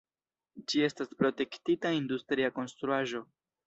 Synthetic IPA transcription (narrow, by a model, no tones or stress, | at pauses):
d͡ʒie̞staspɾo̞te̞ktitaindustɾiako̞nstɾuaʒo̞